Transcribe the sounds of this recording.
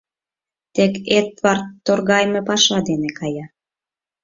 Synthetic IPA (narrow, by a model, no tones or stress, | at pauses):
t̪eket̪βɑrt̪ːorɣɑjmepɑʃɑd̪enekɑjɑ